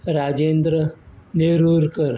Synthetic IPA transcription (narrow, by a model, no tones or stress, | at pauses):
ɾaːd͡ʒend̪ɾəneɾuːɾkəɾ